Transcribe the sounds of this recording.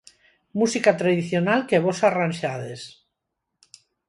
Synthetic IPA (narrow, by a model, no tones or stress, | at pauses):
musikat̪ɾaðiθjonalkeβosaranʲʃaðes